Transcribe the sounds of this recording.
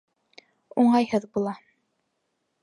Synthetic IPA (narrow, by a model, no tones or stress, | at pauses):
uɴɑjhɤðbulˠɑ